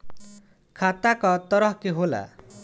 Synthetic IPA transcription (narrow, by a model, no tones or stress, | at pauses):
kʰat̪akʌt̪ʌɾʌɦkeɦola̰